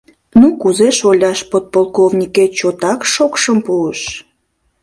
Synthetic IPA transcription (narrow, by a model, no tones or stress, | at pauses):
nukuzeʃolʲɑʃpot̪̚polˠkovnʲiket͡ɕot̪ɑkʃokʃəmpuəʃ